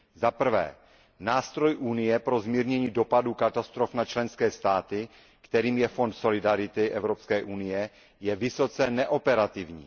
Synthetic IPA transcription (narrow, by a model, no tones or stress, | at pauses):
zapr̩vɛ̰ː | naːst̪ɾo̞jʔunɪjɛpɾo̞zmiːɾɲɛɲiːdo̞padukat̪ast̪ɾo̞fnat͡ʃlɛnskɛːst̪aːt̪ɪ | kt̪ɛɾiːmjɛfo̞nt̪so̞lɪdaɾɪt̪ɪʔɛvɾopskɛːʔunɪjɛ | jɛvɪso̞t͡sɛnɛʔo̞pɛɾat̪ɪvɲḭː